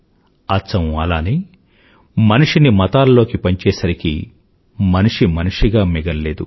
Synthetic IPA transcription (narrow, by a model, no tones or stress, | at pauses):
ɐsɐmɐlaːniː | mɐniʂinimɐt̪aːlɐlo̞ːkipɐɲt͡ʃɛːsɐɾikḭ | mɐniʂimɐniʂiɡaːmiɡɐlːe̞ːd̪u